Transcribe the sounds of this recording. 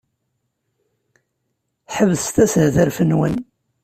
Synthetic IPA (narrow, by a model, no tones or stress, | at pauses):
ħəvðst̪æshðəɾfənwə̰n